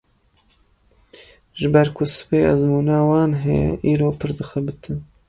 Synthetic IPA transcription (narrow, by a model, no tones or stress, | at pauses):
ʒɨbɛɾkʰʊsɨ̥peːazmuːnaːwɑːnɦɛʔiːɾoːpʰɨɾd̪ɨxɛbɨt̪ʰɨn